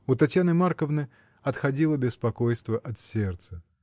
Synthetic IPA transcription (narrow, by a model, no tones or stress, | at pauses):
ut̪ɐtʲjanɨmarkəvnɨ | ɐt̪xɐdʲilˠəbʲɪspɐkojst̪vəʔɐt̪sʲert̪sə